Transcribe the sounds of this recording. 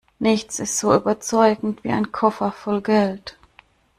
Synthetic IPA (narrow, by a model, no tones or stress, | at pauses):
nɪçt͡sɪstz̥oːyːbɐt͡sɔʏɡŋ̩tv̥ḭːa̰ɪnkʰɔfɐfɔlɡɛlt